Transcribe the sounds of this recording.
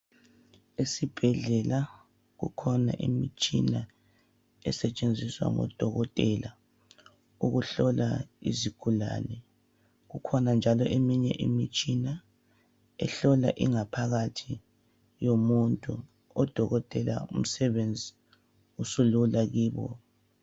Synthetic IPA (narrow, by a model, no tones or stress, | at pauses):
esib̥ʱɛɮɛla | ɣṵkʰɔna̰ʔḭmit͡ʃʼḭna | ɛsɛt͡ʃʼend͡zʱiswa̰ŋɔ̰d̥ʱɔɣɔtʼɛla | uɣuɬɔlaḭziɡ̥ʱula̰ːlɛ | ɣukʰɔnand͡ʒʱalɔʔemiɲɛʔimit͡ʃʼina | ɛɬɔla̰ʔiŋapʰaɣatʰi | jomuntʼu | ɔd̥ʱɔɣɔtʼɛla̰um̩sɛβend͡zʱi | usululaɣiːβɔ̰